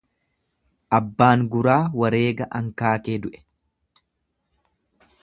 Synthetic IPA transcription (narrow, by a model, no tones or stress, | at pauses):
ʔɐbːaːŋɡʊɾaːwɐɾe̞ːɡɐʔɐŋkaːkeːd̪ʊʔɛ̥